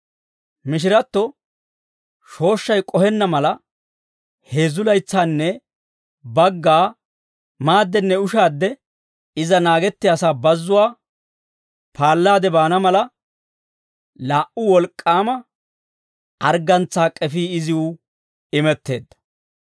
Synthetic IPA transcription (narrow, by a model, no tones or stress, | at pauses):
mɪʃ̬ɪɾɐt̪ːɔ | ʃo̞ːʃːɐjkʼɔhɛnːɐmɐlɐ | he̞ːzʊlɐjt͡sːaːnːɛ | bɐɡːaː | maːd̪ːɛnːɛʊʃaːd̪ːɛ | ɪzɐnaːɡɛt̪ːɪjasaːbɐzːʊwaː | paːlːaːd̪ɛbaːnɐmɐlɐ | laːʔʊwɔlkʼːaːmɐ | ɐɾɡɐnt͡sːaːkʼɛfiːɪzɪʊ | ɪmɛt̪ːe̞ːd̪ːɐ̥